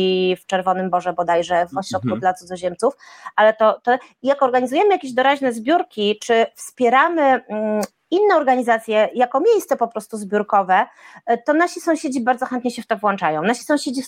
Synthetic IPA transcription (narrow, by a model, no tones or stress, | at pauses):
ft͡ʂɛɾvɔnɘmbɔʐɛbɔd̪ajʐɛvɔɕɾɔt̪̚kud̪lat̪sud̪zɔʑɛmt̪sufalɛt̪ɔt̪ɔ | jakɔɾɡaɲizujɛmɘjakʲeʑd̪ɔɾaʑnɛzbʲjuɾkʲit͡ʂɘfspʲjɛɾamɘ | inːɛɔɾɡaɲizat̪sʲjɛjakɔmʲjejst̪sɛpɔpɾɔst̪uzbʲjuɾkɔvɛt̪ɔnaɕisɔ̃w̃ɕed͡ʑibaɾd̪zɔxɛnt̪ɲɛɕɛft̪ɔvwɔnt͡ʂajɔ̃w̃naɕi̥sɔ̃w̃ɕed͡ʑi